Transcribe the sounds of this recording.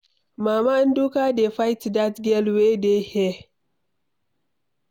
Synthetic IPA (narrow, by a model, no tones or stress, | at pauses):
maːmandukadefajtdatɡɛlwedehe